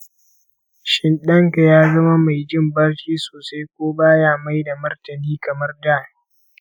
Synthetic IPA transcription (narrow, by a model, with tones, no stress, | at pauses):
ʃɪ˦nɗɐ˦ŋka˨jaː˦zɐ˦ma˦ma˨jd͡ʒɪ˦mbɐ˦rkʲiː˦soː˨sa˦jkʷoː˦baː˦jaː˦ma˦jda˨mɐ˦rtɐ˨niː˦kɐ˨mɐ˦rdaː˦˨˦